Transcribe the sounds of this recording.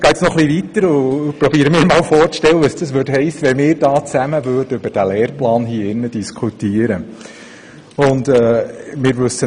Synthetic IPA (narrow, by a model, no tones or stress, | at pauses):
ɡ̥ɛɪtsnɔχliʋit̪əɾʊpɾɔbiəɾəmɪːɾmɑːlfɔːɾtʃtɛwəəsd̥ɑsʋøːtɦɛɪsːəʋɛmɪːɾd̥ɑːt͡sæməʋøːdəʏbəɾd̥ælɛːɾplɑːnɦiːəɪnːəd̥iskʰutiːəɾə | ʊndɛːmɪːɾʋɵsə